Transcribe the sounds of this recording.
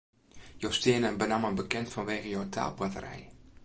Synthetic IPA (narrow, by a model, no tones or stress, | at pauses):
jostiənənbənaməbəkɛntfɔnʋeːɣəjowtʰa̰ːlˠbatə̰ɾɛ̰j